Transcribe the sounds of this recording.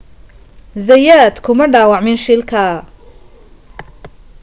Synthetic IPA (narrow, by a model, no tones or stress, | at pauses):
zɐjaːd̪kʰʊmɐɖaːwɑʕmɪnʃɪlkʰɐ